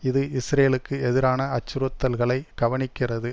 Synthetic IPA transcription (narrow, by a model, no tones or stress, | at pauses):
ɪðɯɪsɾeːlɯkːɯɛðɪɾaːnɐɐt͡ʃːɪɾʊt̪ːɐlɣɐɭɐɪɡ̥ɐʋɐɳɪkːɪrɐðɯ